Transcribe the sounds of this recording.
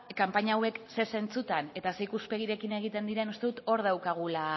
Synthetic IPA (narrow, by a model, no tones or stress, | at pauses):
kampaɲaːwe̞kse̞se̞nt͡sut̪ane̞t̪aseikuspe̞ɣ̞iɾe̞kine̞ɣ̞it̪e̞nd̪iɾe̞nust̪e̞ðut̪o̞ɾð̞awkaɣ̞ula